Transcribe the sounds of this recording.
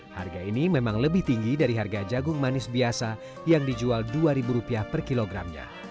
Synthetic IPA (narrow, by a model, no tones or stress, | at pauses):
ha̰rɡainimemaŋləbɪht̪iŋɡidaɾiɦarɡad͡ʒaɡʊŋmanɪsbiasa | jaŋdid͡ʒualduaɾibuɾupiapərkiloɡɾa̰mɲa̰